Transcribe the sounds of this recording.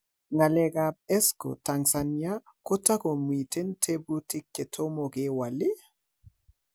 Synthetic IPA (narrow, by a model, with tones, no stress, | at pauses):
ŋa˨lɛ˨ka˨p̚ɛ˦sko̰˨ta˨ŋsa˨nia˦ko˦ta˦ko˨mwi˨te˦ntʰe˦bu˦tɪ˦kːe˨tʰo˦mo˨ke˦wa˨lɪ˦